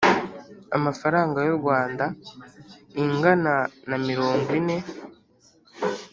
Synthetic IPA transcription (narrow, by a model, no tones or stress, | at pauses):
a̰mafaɾaːŋɡajoɾɡwaːnda | iŋɡananamiɾo̞ːŋɡwine̞